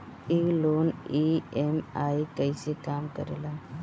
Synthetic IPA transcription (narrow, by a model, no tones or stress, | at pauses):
iːloːniemaːikəɪsekaːmkəɾeːlaː